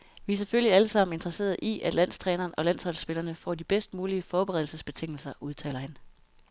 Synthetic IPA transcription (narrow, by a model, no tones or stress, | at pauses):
ʋiæseføljiæləsɑ̈m̰n̩e̝nd̥ʁɐse̝̰ːɐð̞̩ˠʔiʔæd̥læn̰st͡sʰʁɛːnɐːnɒ̽læn̰shɒ̽l̰sb̥e̝lɐnəfɒ̰ːd̥ib̥esd̥̚muːliəfɒːb̥eʁɛðˠl̩səsb̥e̝t͡sʰe̝ŋ̰l̩sɐʔuð̞ˠt͡sʰɛ̰ːlɐhæn